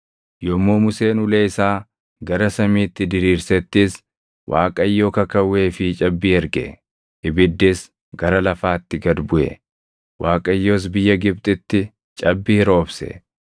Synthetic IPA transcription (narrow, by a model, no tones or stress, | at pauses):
jɔmːoːmʊse̞ːnʊleːɪsaː | ɡɐɾɐsɐmiːt̪ːɪd̪ɪɾiːɾsɛt̪ːɪs | wʔa̰ːkʼɐɪjːoːkɐkɐwːe̞ːfɪt͡ʃʼɐbːiːɛɾɡɛ̰ | ɪbɪd̪ːɪs | ɡɐɾɐlɐfaːt̪ːɪɡɐd̪bʊʔɛ̰ | waːkʼɐjːo̞ːs̬bɪjːɐɡɪb̚t̪ʼɪt̪ːɪ | t͡ʃʼɐbːiːɪɾo̞ːbsɛ̰